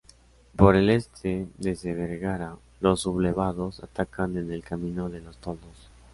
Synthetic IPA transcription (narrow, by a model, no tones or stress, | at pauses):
po̞ɾe̞le̞st̪ʰed̪ezðeβeɾɣaɾa | lo̞sːuβleβaðosa̰t̪akand̪ezðelkamĩnoðe̞lo̞st̪oðos